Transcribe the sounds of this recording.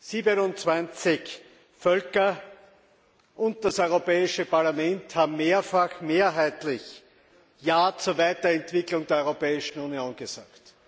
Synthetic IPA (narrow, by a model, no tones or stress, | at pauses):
siːbənʊnt͡sv̥ãnt͡sɪç | fœlkɐ | ʔʊ̃nt̚d̥asɔʏʁopɛːɪʃəpaɐlamɛnthaːbm̩ːeːɐfaxmeːɐɦæɪtlɪç | jaːt͡suːɐvaɪtɐɛntv̥ɪklʊŋdeːɐɔʏʁopɛːɪʃn̩unioːnɡ̥əza̰ːkt